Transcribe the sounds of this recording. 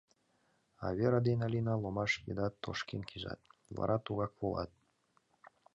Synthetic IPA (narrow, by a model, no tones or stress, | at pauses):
ɑ̰βeɾɑd̪enɑlʲinɑlˠomɑʃpʲḛd̪ɑt̪ːo̰ʃkenkʰiʒɑ̰t̪̚vɑ̰ɾʔɑt̪uɣɑkβolˠɑ̰t̪̚